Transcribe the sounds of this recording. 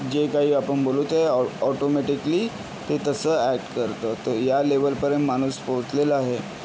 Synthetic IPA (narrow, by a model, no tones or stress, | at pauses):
d͡ʑekaɦiːapəɳboluːt̪eɔʈomɛʈikəliː | t̪et̪əsəːæk̚ʈkəɾt̪ət̪əɾjaleʋəlpəɾemmañuːspoʋt͡sleləaɦe